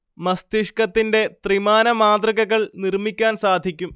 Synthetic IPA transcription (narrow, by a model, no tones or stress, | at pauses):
mɐst̪iʂkɐt̪ːinde̞t̪rimaːnɐmaːd̪rɐɣɐɣɐɭnirmikʲːaːnsaːd̪ʱikʲːum